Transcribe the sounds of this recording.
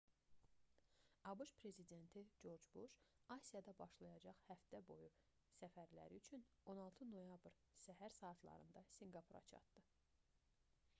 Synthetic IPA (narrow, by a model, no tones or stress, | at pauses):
ɑbɯʃpʰɾe̞zid̪e̞nt̪ʰid͡ʒo̞ɾd͡ʒbuʃɑsijɑd̪ɑbɑʃlˠɑjɑd͡ʒɑχhæft̪æbo̞̰ju | sæfæɾlæ̰ɾiyt͡ʃʰyno̞nɑlˠt̪ʰɯno̞jɑbɾ | sæɦæɾsɑːt̪ʰlˠɑ̰ɾɯ̰nd̪ɑsiŋɡɑpʰuɾɑ̰t͡ʃʰɑ̰t̪d̪̥ɯ